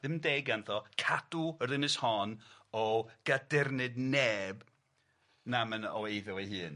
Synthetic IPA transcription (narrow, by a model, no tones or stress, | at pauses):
ðɪmdejɡanðɔkʰad̥uərðɪnɨshɔnɔɡ̥adɪrnɨdnɛːb | namənɔejðʊlˠeɦɨːn